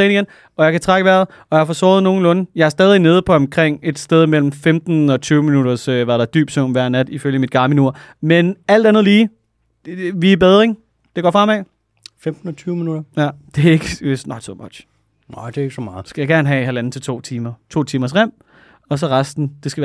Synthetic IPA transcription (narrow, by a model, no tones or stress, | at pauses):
eniɡen | ɒ̽jɑ̈kʰæt͡sʰʁaɡ̥əʋæɐð̩ˠ | ɒ̽jɑfɒsɔːð̞̩ˠno̝ːn̩lɔ̽nəjɑ̈æɐsd̥ɛːðˠine̝ð̞ˠpʰɒ̽ɒ̽mkʰʁeŋ̰e̝d̥sd̥eð̞ˠmel̰m̩femd̥n̩ɒ̽t͡sʰyːʊminuɾ̥ɐsøʋɑ̈ɾ̥ɑ̈d̥y̰ːb̥d̥sɔʊ̰ʋæɐ̰næd̥iføljəmid̥̚ɡ̥ɑ̈mənuɐ̰menæl̰d̥ænðˠliː | ʋib̥eð̞ˠɐeŋ | d̥e̝ɡ̥ɒ̰ːfʁɑ̈m̰ɛ | femd̥n̩ɒt͡sʰyːʊminud̥ɐjæd̥e̝ɐe̝ɡ̥əesnɒ̽d̥sɒ̽mɒd̥ɕ | nad̥eeɪɡ̥sɒmɑ̈ːð̩ˠsɡ̥æjɑ̈ɡ̥æɐnɦɛɦælæn̩t͡sʰe̝lt͡sʰo̝̰ːt͡sʰiːmɐt͡sʰo̝̰ːt͡sʰiːmɐs̬ʁem̰ | ɒ̽s̬ɒ̽ʁɑsd̥n̩d̥e̝sɡ̥æʋæ